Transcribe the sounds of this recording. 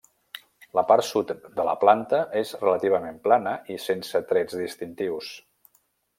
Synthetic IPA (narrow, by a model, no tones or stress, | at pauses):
ləpaɾsut̪d̪ələ̰plant̪əʔezrələt̪iβ̞əmemplanəʔisensət̪ɾɛd͡zðist̪int̪iws